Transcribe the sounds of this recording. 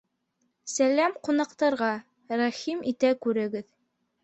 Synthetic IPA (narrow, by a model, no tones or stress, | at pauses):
sælæmqunɑqt̪ɑɾʁɑ | ɾɑχimit̪ækʉɾɘ̆ɡɘð